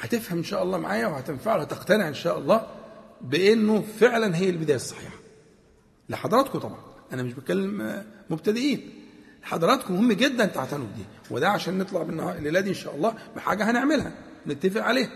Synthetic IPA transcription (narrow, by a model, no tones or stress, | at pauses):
hæt̪efhæmʔenʃæːʔɑlˤːɑːmaʕaːjæwehæt̪enfaʕwhæt̪eqt̪æneʕʔenʃæːʔɑlˤːɑːbeʔenːofeʕlænɦejːælbed̪æːjæsˤːɑ̥ħḭːħɑ̥ | leħɑd̪ˤɑɾˤɑːt̪kot̪ˤɑbʕɑnʔænæmeʃbekælːemmob̚t̪æd̪eʔiːnleħɑ̰d̪ˤɑɾˤɑːt̪komohemːæɡed̪ːænt̪aʕt̪ænubd̪ḭː | wed̪æʕaʃæːnːet̪ˤlɑʕbenːhɑlelæːd̪iʔenʃæːʔɑlˤːɑːbeħa̰ːɡæhæneʕmelhæ̰net̪ːæfeʔʕaleːh